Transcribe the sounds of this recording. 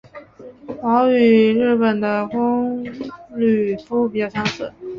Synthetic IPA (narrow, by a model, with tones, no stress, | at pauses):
wɑ˧˥ʊy˨˩ɻɻ̩˥˩pə˨˩nd̪ə˦kʊ˥ŋ | ly˨˩fu˥p̬i˨˩t͡ɕjɑ˥˩ʊɕʰjɑ˧˥ŋsə̰˨˩˦